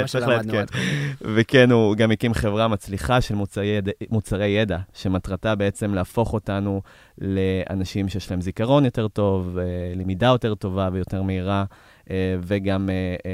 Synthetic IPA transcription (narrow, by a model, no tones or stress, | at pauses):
elkevekenuɡamikimχe̞vʁamat͡sliχaʃelumut͡saʁe̞jːedaʃe̞matʁatabe̞et͡se̞mleafo̞χo̞tanu | le̞a̰naʃimʃejɛʃlahemzikaʁo̞njo̞te̞ʁto̞velemidajo̞te̞ʁto̞vavejo̞te̞ʁmeiʁa | veɡame